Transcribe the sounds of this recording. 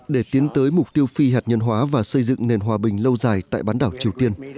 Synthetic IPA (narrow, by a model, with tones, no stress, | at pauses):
ɗe˧˩t̪i˨˦ənt̪əː˨˦jmʊ˨˩k͡p̚t̪i˧əwfi˧ɦaː˨˩t̚ɲə˧nɦwaː˨˦vaː˨˩sə˧jzɨ̰˧˨ŋne˨˩nɦwaː˨˩ɓï˨˩ŋ̟lə˧wzaː˨˩jt̪a̰ː˧˨jɓaː˨˦nɗaː˧˩wt͡ɕi˨˩əwt̪i˧ən